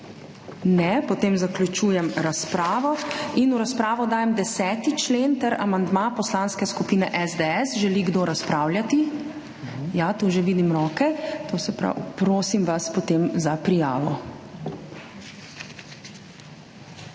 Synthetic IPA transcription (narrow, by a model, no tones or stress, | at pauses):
nɛpɔt̪eːmzakljut͡ʃuːjɛmɾaspɾaːʋɔinuɾaspɾaːʋɔd̪aːjɛmd̪ɛsɛːt̪it͡ʃleːnt̪ɛɾa̰mand̪mapɔslanskɛskupiːnɛʔɛzd̪eɛsʒɛliɡd̪oːɾaspɾaːwljat̪i | jat̪uːʒeʋiːd̪imɾɔːkɛt̪oːsɛpɾa̰wpɾoːsimʋaspɔt̪eːmzapɾija̰ːʋɔ̰